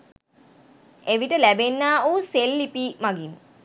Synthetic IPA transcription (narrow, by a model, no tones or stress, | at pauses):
eʋiʈəlæbenːaːoːselːipiːmaɡin